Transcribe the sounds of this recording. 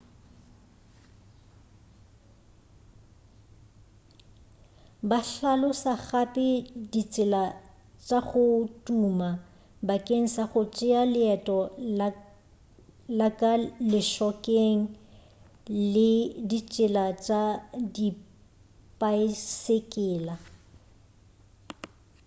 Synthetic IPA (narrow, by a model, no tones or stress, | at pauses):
baɬalʊsaχapʼɪdit͡sʼɪla | t͡ʃʼaχʊtʼuma | bakʼeŋ̩saχʊt͡ʃʼɪalɪɛtʼɔ | lakʼalɪʃɔkʼeŋ̩ | lɪdit͡ʃʼɪlat͡ʃʼadi | pʼaɪsekʼɪːla